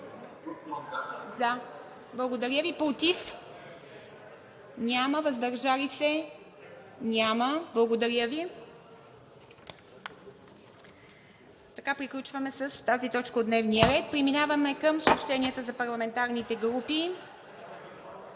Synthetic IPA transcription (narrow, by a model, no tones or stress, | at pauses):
za | blˠɐɡod̪ɐɾʲəvipɾot̪if | nʲaməvəzd̪ɐɾʒalisɛ | nʲaməblˠɐɡod̪ɐɾʲəvi | t̪ɐkapɾiklʲut͡ʃvɐmɛsəst̪azit̪ɔt͡ʃkəod̪nɛvniəɾɛt̪̚pɾiminavɐmɛkəmsoːpʃt̪ɛniət̪əzɐpɐɾlˠɐmɛnt̪aɾnit̪ɛɡɾupi